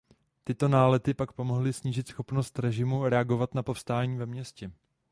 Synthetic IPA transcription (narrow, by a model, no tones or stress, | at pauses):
t̪ɪt̪o̞naːlɛt̪ɪpakpo̞mo̞ɦlɪsɲiːʒɪt̪sxo̞pno̞st̪ɾɛʒɪmuɾɛaɡo̞vat̪napo̞fst̪aːɲiːvɛmɲɛscɛ